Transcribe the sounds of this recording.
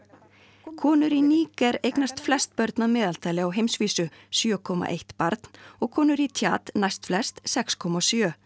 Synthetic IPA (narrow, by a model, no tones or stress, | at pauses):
kʰɔːnʏɾiniːkɛɾejknast̪flɛst̪̚pœɾt̪namɛːðal̥t̪aːjlɪawɦejmsviːsʏsjœːkʰɔma̰ʔeht̪paɾt̪n̥ɔɣkʰɔːnʏɾit̪ʰja̰ːt̪najst̪flɛst̪sɛkskʰɔmasjœː